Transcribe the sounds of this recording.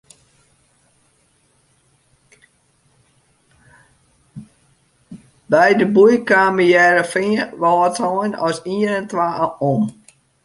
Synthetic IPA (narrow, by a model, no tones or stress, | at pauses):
bɛjdəbujkaːməjɛɾəfiəʋɔːətʰɔnɔsiənəntʋaːəʔom